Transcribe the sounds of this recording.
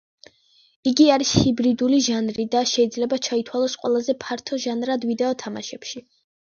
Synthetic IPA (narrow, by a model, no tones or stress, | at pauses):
iɡiaɾishibɾid̪uliʒanɾid̪aʃɛid̪zlɛbat͡ʃʰait̪ʰwalˠɔsqʼwɛ̰lˠazɛpʰaɾt̪ʰɔʒanɾad̪vid̪ɛɔt̪ʰama̰ʃɛpʃi